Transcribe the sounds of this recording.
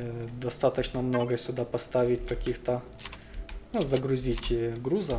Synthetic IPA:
d̪ɐst̪at̪ət͡ɕnəmnoɡəsʲʊd̪apɐst̪avʲɪtʲkɐkʲixt̪ə | zɐɡɾʊzʲitʲɡɾuzə

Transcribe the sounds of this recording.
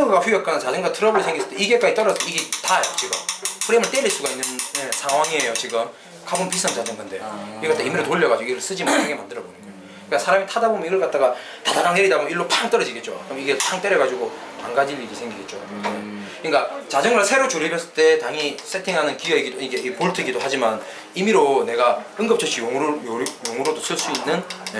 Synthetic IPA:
ɡɯɡaɸujʌk̚k͈ʌnant͡ɕad͡ʑɯŋɡatʰɯɾʌbɯɭsʰeŋɡis͈ɯ̥t͈eiɡe̞k͈ad͡ʑit͈ʌɾʌsʰʌiɡetajt͡ɕ͈iɡɯmɸuɾemɯɭt͈eɾiɭs͈uɡainːɯnjesʰaŋɦwaŋiejot͡ɕiɡɯm | kabɯnpisʰʌnt͡ɕad͡ʑɯŋɡɯnde̞jikʌt͈aimiɾɯɭtoʎːʌɡad͡ʑoiɾɯɭs͈ɯd͡ʑimaɯɡemandɯɾʌbonɯno | kasʰaɾamitʰadabomniɡɯɭk͈at̚t͈aɡa | tadaɾaŋeɾidaboiɭːopaŋt͈ʌɾʌd͡ʑiɡe̞t̚t͡ɕot͡ɕomiɡepaŋt͈e̞ɾjʌɡad͡ʑiɡotaŋɡad͡ʑiʎːiɡisʰe̞ŋɡiɡe̞t̚t͡ɕ͈o | ik͈at͡ɕad͡ʑɯŋɡɯsʰe̞ɾot͡ɕuɾibjʌs͈ɯɭt͈e̞taŋisʰetʰiŋɦanɯnkieɡidoiɡeipuɭtʰɯɡidohad͡ʑiman | imiɾone̞ɡaɯŋɡʌp̚t͡ɕʰʌɕ͈ʰijoŋɾojoŋɯɾodos͈ɯɭs͈uinːɯne

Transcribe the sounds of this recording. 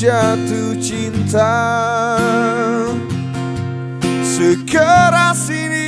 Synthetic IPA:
at̪ut͡ʃint̪a | səkʰəɾasiɾi

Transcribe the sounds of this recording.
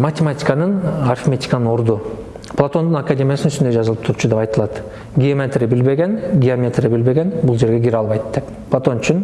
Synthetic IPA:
matʲemat̪ʲi̥kanɯnarfmʲet̪ʲi̥kanɯno̞ɾd̪u | plˠat̪o̞nd̪unakadʲe̞mʲjasɯnyst̪nd̪ed͡ʒɑzɯlˠɯpt̪ʰuɾut͡ʃʰud̪epɑjt̪ɯlˠɑt̪ | ɡʲijomʲet̪ribilbe̞ɡʲenɡʲiamʲet̪rʲibilbe̞ɡe̞nbulˠd͡ʒe̞ɾɡeɡʲiɾɑlˠβɑjt̪d̪e̞p | plˠat̪o̞nyt͡ʃʰyn

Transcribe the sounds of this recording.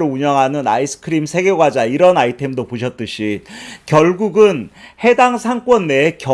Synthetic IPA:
ɾouɲʌŋɦanɯna̰isʰɯ̥kʰɯɾimsʰe̞ɡeɡwad͡ʑaiɾʌnaitʰe̞mdopoɕʰʌt̚t͈ɯɕʰikjʌɭɡuɡɯnhe̞daŋsʰaŋk͈wʌnːekjʌ

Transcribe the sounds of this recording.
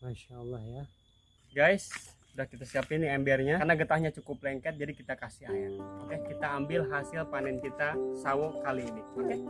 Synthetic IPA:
maʃalːahja | ɡajs | udahkit̪asiapɪniɛmbɛrɲaarnaɡət̪ahɲat͡ʃukʊplɛŋkɛt̪̚d͡ʒadikit̪akasihajakɛkit̪aːmbɪlɦasɪlpanɛnkit̪asaokaliːniakɛ

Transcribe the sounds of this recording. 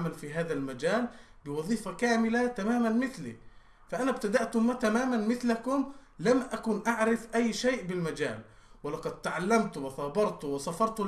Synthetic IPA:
malfiɦaːðalmad͡ʒaːl | bɪwɑðˤiːfakaːmɪlat̪amaːmanmɪθlḭ | faʔanabt̪ad̪aʔt̪ʊmat̪amaːmanmɪθlakʊmlamʔakuːnʔaʕɾɪfʔajːʃeːʔbɪlmad͡ʒaːl | wɪlɑqɑd̪̚t̪aʕalːamt̪wɪθɑːbɑɾˤt̪wɪsɑfɑɾˤt̪ʊ

